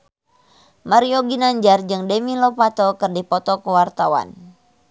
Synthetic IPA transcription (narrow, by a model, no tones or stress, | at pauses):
maɾioɡinaɲd͡ʒard͡ʒɨŋdɛmilopat̪okɨrdipɔt̪ɔkəwart̪awa̰n